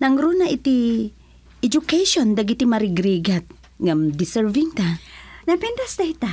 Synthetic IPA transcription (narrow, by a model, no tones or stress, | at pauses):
nɐŋɾunaʔit̪i | ɛd͡ʒʊkajʃond̪ɐɡit̪imɐɾɪɡɾiɡat̪̚ | ŋamd̪ɪsɛɹviŋt̪anɐpɛnt̪ɐst̪ɐit̪a